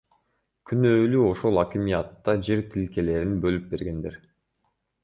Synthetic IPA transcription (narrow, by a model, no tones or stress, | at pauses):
kʲʰynøːlyo̞ʃo̞lˠɑkʲimijɑt̪ːɑd͡ʒeɾt̪ʰilke̞le̞ɾinbø̞lyp̚be̞ɾɡe̞nd̪eɾ